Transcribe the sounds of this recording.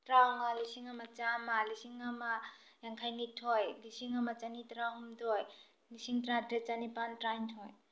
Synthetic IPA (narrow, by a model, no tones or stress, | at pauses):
tɾaŋalisiŋamat͡ʃamalisiŋama | jaŋkʰajnitʰojlisiŋamat͡ʃanitɾaɦumdɔj | lisiŋtɾadet͡ʃanipantɾajntʰɔj